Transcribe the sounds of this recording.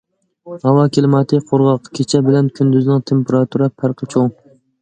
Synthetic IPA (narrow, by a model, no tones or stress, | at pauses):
hɑwɑkʲʰilmɑt̪ʰɪqʰoɾʁɑqkʲʰet͡ʃʰɛbɪlɛnkʲʰynd̪yznɪŋt̪ʰempeɾɑt̪ʰuɾɛpʰæɾqʰət͡ʃʰoŋ